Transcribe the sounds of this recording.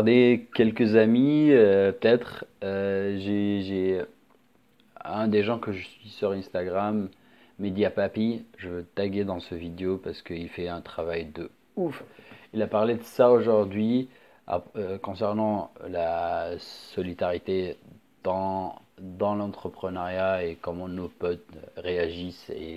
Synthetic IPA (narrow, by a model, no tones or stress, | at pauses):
ʁd̪ekʲɛlkəzamiøpət̪ɛt̪χøʒeʒe | ɛ̃d̪eʒɑ̃kəʒəsɥisyʁɛ̃st̪aɡʁamː | ed̪japapiʒəvøt̪aɡʲed̪ɑ̃səvid̪eopaʁsə̥kəilfɛɛ̃t̪χavajd̪ə | ufilapaʁled̪əsaoʒuʁd̪ɥi | a̰økɔ̃sɛʁnɑ̃la | sɔlid̪aʁit̪e | d̪̥ɑ̃ | d̪ɑ̃lɑ̃t̪χəpχənaʁjaekɔmɑ̃nopɔt̪ʁeaʒisḛ